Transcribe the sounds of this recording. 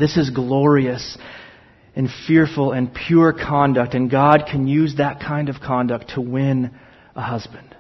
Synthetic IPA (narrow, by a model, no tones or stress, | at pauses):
ðɪsɨzɡlɔɹiɨs | ɨ̃nfɪɹfl̩ˠɨ̃npʰj̥ʊɹkʰɑ̃ndɨk̚tɨ̃nɡɑd̚kʰɨ̃njʉzðɨt̚kʰãɪ̃ndʌv̥kʰɑ̃ndɨk̚tʰəwɪ̃n | əhʌzbɨ̃nd̥